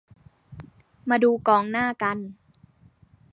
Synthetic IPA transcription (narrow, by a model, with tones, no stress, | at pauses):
maː˧duː˧kɔː˨˦ŋnaː˥˩ka˧n